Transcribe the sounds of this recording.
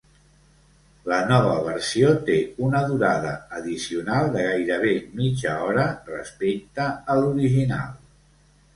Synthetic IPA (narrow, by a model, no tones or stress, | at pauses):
lənɔβəβəɾsiot̪eunəðuɾaðəːðisiunalˠd̪əɣajɾəβ̞emid͡ʒəɔɾərəspek̚t̪əːluɾiʒina̰lˠ